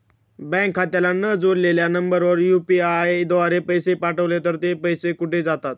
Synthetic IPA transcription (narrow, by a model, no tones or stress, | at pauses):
bɛ̃ŋkʰːat̪jalanəd͡zoɽleljanəmbəɾʋəɾjupiad̪oʋaɾepəjsepaʈəʋlet̪əɾt̪epəjsekuʈʰed͡zat̪at̪̚